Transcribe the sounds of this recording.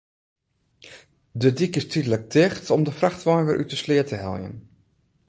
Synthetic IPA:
dədikɪstʰidələk̚tʰɪxtɔmdəfraxtʋɔjʋɪɹʔytəslɪətəɦɛ̰lˠjə̰n

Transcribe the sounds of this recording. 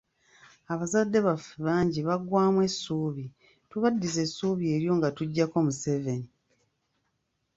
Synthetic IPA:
aβazadːe̞βafuβaːɲɟiβaɡwaːmwe̞sːuːβi | tuβadːize̞sːuːβie̞ɾjo̞ŋɡatuɟːako̞muse̞ve̞ni

